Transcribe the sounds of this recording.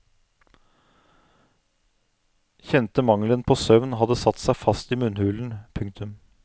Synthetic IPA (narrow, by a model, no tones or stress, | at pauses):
çɛnt̪əmɑŋlənpʰoːsœʋnɦɑd̪əsɑt̪ːsæɪfɑst̪iːmʉnhʉːln̩pʰʉŋkt̪ʰʉm